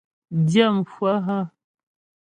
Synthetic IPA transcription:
dja˦˨mfwa˦ɦa˦

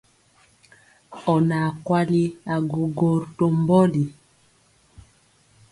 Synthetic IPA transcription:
ɔ˨na˨kwa˦li˦a˨ɡo˨ɡo˨ɾto˨mbɔ˦li˨

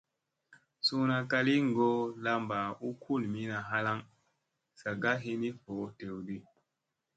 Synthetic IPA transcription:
su˦na˨ka˦li˦ŋ˨ɡo˦la˦mba˨u˦kʰu˦˨lmi˦na˨ɦa˦la˦ŋ | sa˨ɡa˦ɦi˦ni˦ho˨˦te˨wdi˦

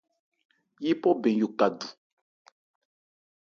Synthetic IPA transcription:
ji˦pɔ˦bɛ̃˨ŋ˦jo˨ka˨du˨

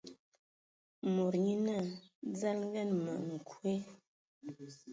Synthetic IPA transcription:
mo˨ɾɲi˦na˦˨d͡za˦lŋ˦ɡɛ˦˨nmə̰˨ʔŋ̩˨kʰwe˦

